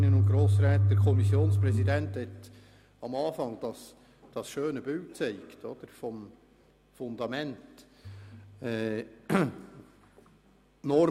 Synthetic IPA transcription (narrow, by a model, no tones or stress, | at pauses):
nənʊnt̚ɡ̥ɾoːs̬ɾɛːt̚d̪ɛɾkʰɔmisjoːnspɾɛzidɛnthɛt̪ | ɑmɑːfɑŋd̥ɑs | d̥ɑsʃøːnəbʏltt͡seɪktʰod̪̥əɾfɔm | fʊnd̪ɑmɛnt | ɛː | nɔɾ